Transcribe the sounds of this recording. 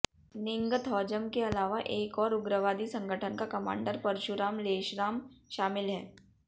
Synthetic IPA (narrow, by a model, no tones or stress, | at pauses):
nɪ̃ŋɡət̪ɦɔːd͡ʒəmkeɐlaːʋaʔeːkɔːɾʊɡɾəʋaːd̪isɐ̃ŋɡʱəʈʰənkakɐma̰ːɳɖəɾpɐɾʃʊɾaːmleːʃɾaːmʃaːmɪlɦɛː